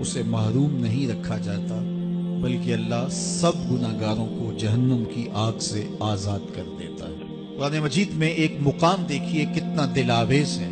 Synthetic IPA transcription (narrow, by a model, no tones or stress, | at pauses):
ʊsemɐɦɾuːmnɐɦĩɾɐkʰːad͡ʒaːt̪abɐlkeɐlːasɐbɡʊnaɦɡaːɾõkod͡ʒɐɦənːəmkiʔaːɡseaːzaːd̪kɐɾd̪ḛːt̪a̰ɦɛ̰ː | qʊɾaːnemɐd͡ʒiːd̪mẽeːkmʊqaːmd̪eːkʰiekɪt̪nad̪ɪlaːʋeːzɦɛː